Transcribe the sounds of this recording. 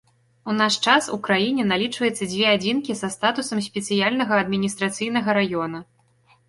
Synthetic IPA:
unaʂt͡ʂasṵkɾajinʲɛnalʲit͡ʂvɐjɛt̪sːɐd͡zʲvʲɛad͡zʲinkʲizɐst̪at̪usɐmsʲpʲɛt̪sɨjalʲnɐɣɐɐd̪mʲinʲist̪ɾat̪sɨjnɐɣɐɾajɔnɐ

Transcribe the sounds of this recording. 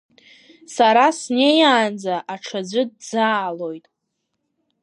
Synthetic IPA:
saɾasne̞jaːnd͡zaʔaʈ͡ʂʰad͡zʷɨdzaːlo̞jtʼ

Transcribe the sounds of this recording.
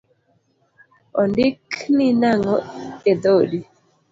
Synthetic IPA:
ɔndɪkninaŋɔed̪odi

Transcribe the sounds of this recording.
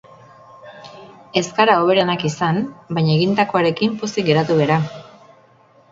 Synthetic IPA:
e̞skaɾao̞β̞e̞ɾenakisanbaɲaeɣind̪ako̞aɾe̞kimpusiɡe̞ɾat̪uβeɾa

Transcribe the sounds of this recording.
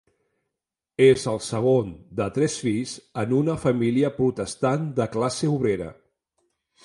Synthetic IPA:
ezəlˠsəɣ̞ond̪ət̪ɾɛsfiʎzənunəfəmiliəpɾut̪əst̪and̪əklaseuβ̞ɾeɾə̰

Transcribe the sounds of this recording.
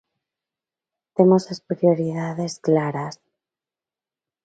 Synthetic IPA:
t̪e̞mosaspɾioɾiðaðe̞sklaɾas

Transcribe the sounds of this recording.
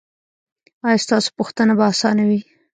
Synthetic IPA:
ɑjɑst̪ɑso̥puxt̪ənabaːsɑnawi

